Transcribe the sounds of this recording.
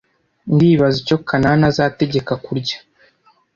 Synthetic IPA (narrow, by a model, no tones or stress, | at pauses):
ndiːβazico̞kʰananazaːte̞ɟe̞kakuɾɟḁ